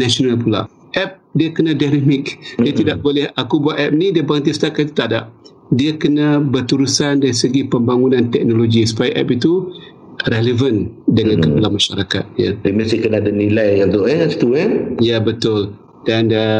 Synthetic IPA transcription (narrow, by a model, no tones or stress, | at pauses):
nasonalpula̰ | ʔɛp̚diakənãdanamɪk̚diat̪idaʔbolɛhakubuaʔ̪̚ɛp̚nidiabant̪̬ist̪akait̪u̥t̪ada̰ʔ̚ | diakənãbərt̪uɾusandaɾisəɡipəmbaŋunãnt̪ɛk̚noloɡisu̥pajʔɛ̰pit̪u | ɾeləvəndəŋãnkəpalamaʃaɾaka̰t̪̚ja̰iməsikənadanilajjaŋt̪oɛasi̥t̪uɛjabət̪ʊl | danə